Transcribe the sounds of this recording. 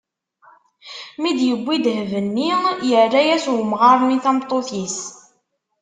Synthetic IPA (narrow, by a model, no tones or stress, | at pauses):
mid̪jəbʷːid̪hvənːijərːæjæswəmʁɑɾˤniθæmt̪ˤːoθis